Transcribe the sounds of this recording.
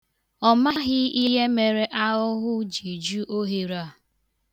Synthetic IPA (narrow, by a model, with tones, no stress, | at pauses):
ɔ˨ma˦ɦɪ˦i˦ɦe˦me˨ɾe˦ʔa˦ʊ˦ɦʊ˦d͡ʒi˨d͡ʒu˦ʔo˦ɦi˨ɾa˦˨